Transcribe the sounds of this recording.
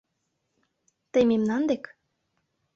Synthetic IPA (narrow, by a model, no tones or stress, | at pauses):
t̪ememnɑnd̪ek